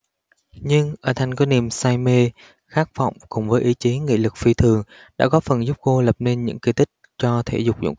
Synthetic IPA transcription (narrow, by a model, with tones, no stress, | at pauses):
ɲɨ˧ŋʔəː˧˩t̪ʰŋ̟kɔ˧˦ni˨˩əmsaː˧jme˧ | xaː˦˥k̚vɔ̰˧˨wŋ͡mkʊ̰˨˧˩ŋ͡mvəː˨˦jʔi˨˦t͡ɕe˨˦ŋḭ˧˨lɨ˨˩k̚fi˧˩t̪ʰɨ˨˩əŋ | ɗa̰ː˧˥kɔ˨˦˥fə˨˩nzu˦˥p̚ko˧lə˨˩p̚ne˧nɲɨ̰˧˥ŋki˧˩t̪ʰï˦˥k̟̚t͡ɕɔ˧t̪ʰḛ˧˩zʊ˨˩k͡p̚zʊ̰˧˥˨